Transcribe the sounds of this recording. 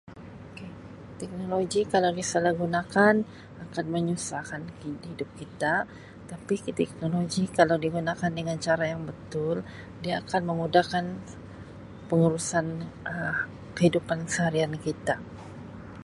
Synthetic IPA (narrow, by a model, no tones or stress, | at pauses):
oke | t̪ɛk̚noloɡikalawdisalahɡunakan | akanməɲusakanihidʊp̚kit̪a | t̪apikt̪ɛk̚noloɡikalawdiɡunakandəŋant͡ʃaɾajaŋbət̪ʊl | diaːkanməmudakan | pəŋuɾusanə | kəhidupankəsəhaɾiankit̪a